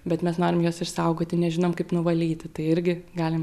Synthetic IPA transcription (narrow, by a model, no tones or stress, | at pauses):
bʲɛt̪mʲɛsnoːɾʲɪmjoːsɪʃsɐʊɡoːt̪ʲɪnʲɛʒʲɪnoːmkɐɪpnʊʋɐlʲiːt̪ʲɪt̪ɐɪɪɾʲɡʲɪɡɑːlʲɪm